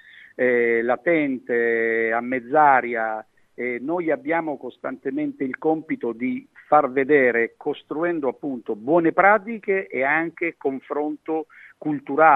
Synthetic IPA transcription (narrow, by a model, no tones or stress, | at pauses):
ɛlat̪ɛnt̪eamːɛd̪zːaːɾja | ɛnɔjabːjaːmokost̪ant̪emɛnt̪eilkɔmpit̪od̪ifarved̪ɛːɾekost̪ɾuɛnd̪oapːunt̪obwɔːnepɾaːt̪̬ikeʔeaŋk̟ekoɱfɾɔnt̪o | kult̪uɾaː